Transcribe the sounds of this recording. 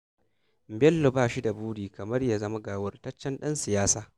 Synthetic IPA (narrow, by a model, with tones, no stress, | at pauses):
m˨bɛ˦lːo˨baː˦˨ʃi˦da˨buː˦ɽiː˨kɐ˨mɐ˦rjaː˦˨zɐ˦ma˦ɡaː˨wɐ˦˨rtɐ˦t͡ʃːɛ˦nɗɐ˦nsɪ˨jaː˦saː˨